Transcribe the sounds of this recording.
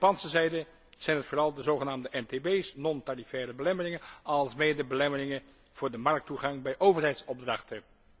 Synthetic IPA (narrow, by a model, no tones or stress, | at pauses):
pɑnsəzɛjdə | z̥ɛjnɦətfʊːrɑlˠdəzowχənaːmdəʔɛntebejsnɔntarifɛːrəbəlɛmərɪŋənɑlˠsmejdəbəlɛmərɪŋə | v̥ʊːɹdəmɑɹk̚tuχɑŋbɛjʔowvərɦɛjtsɔb̚drɑχtə